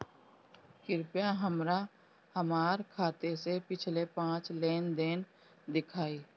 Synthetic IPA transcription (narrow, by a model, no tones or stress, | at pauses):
kɪɾpjãɦəmɾa | həmaːɾkʰaːt̪esepɪt͡ʃʰlepãːt͡ʃleːnd̪eːn | d̪ɪkʰaːiː